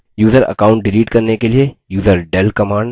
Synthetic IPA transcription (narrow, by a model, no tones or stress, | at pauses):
juːzəɾɐ̰kaːʊ̃ɳʈ̚ɖɪliːʈkɐɾnekeliejuːzəɾɖɛlkɐmaːɳɖ